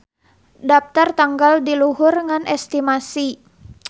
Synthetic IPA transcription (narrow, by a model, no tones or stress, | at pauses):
dap̚t̪art̪aŋɡaldiluɦʊrŋanɛst̪imasi